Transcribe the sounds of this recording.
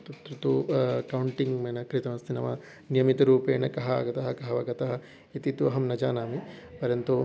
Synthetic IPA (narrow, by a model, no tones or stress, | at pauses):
t̪ɐt̪ɾɐt̪ukɐwuɳʈiŋmeːnɐkɾit̪ɐmɐst̪ʰinɐʋɐ | nijɐmit̪ɐɾuːpeːnɐkɐɦɐa̰ɡɐt̪ɐɦɐkɐɦɐʋɐɡɐt̪ɐɦɐ | it̪it̪uɐɦɐmnɐd͡ʒaːnaːmipɐɾjɐnt̪u